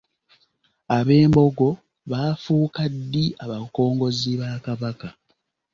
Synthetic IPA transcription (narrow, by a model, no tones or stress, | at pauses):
aβe̞ːmbo̞ɡo̞ | βaːfuːkadːiaβako̞ːŋɡo̞ziβakaβaka